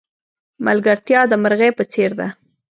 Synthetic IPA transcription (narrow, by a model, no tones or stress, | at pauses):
malɡaɾt̪jɑd̪əməɾɣepət͡seɾd̪a